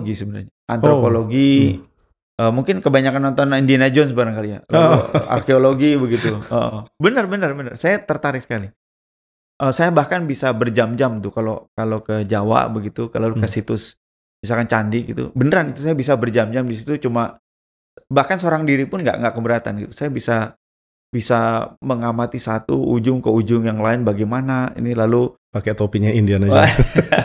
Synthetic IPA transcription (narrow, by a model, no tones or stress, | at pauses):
ɡisəbənarɲaʔa̰nt̪ɾopoloɡi | əmuŋkɪnkəbaɲakanːɔnt̪ɔnindinad͡ʒonsbaɾaŋkalija̰aa̰rkeoloɡibəɡit̪uəʔə̰bənərbənərbənərsajat̪ərt̪aɾɪk̚sə̥kali | ʔəsajabahkanbisabərd͡ʒamd͡ʒamt̪ʊkalokalokəd͡ʒawa̰ʔbəɡit̪ukalakəsit̪ʊs | bisakant͡ʃandiɡit̪ṵbənəɾanit̪us̬ajabis̬abərd͡ʒamd͡ʒamdis̬it̪ut͡ʃuma | bahkansəoɾaŋdiɾipʊnɡa̰ʔŋɡaʔkəmbəɾat̪a̰nɡit̪u̥sajabisa | bisaməŋamat̪isat̪uud͡ʒʊŋkəud͡ʒʊŋjaŋlaɪnbaɡajmanaḭnilalu | paket̪opiɲaindianad͡ʒa